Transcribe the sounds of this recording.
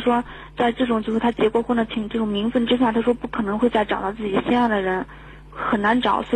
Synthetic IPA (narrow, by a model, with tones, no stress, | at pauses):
ʂwɔ˥ | t͡sa˥˧ɪʈ͡ʂɤ˥˩ʈ͡ʂʊ˨˩ŋt͡ɕo˥˧ʂɻ̩˥˩t̪ʰa˥t͡ɕjɛ˧˥kwɔ˨˩˥xwɔ˥˩d̪ə˧˩t͡ɕʰi˨˩ŋʈ͡ʂɤ˥˩ʈ͡ʂʊ˨˩ŋmi˧˥ŋfə˥˧nʈ͡ʂɻ̩˥ɕ̬ja˥˩t̪ʰa˥ʂwɔ˥pu˥˩kʰɤ˨˩nɤ˧˥ŋxwe˥˧ɪt͡sa˥˩ɪʈ͡ʂɑ˨˩ʊt̪ɑ˥˧ʊt͡sɹ̩˥˩t͡ɕi˨˩ɕjɛ˥˧njɑ˥˩d̪ə˩ɻə˧˥n | xə˨˩nna˧˥nʈ͡ʂɑ˨˩˦ʊswɔ˧˥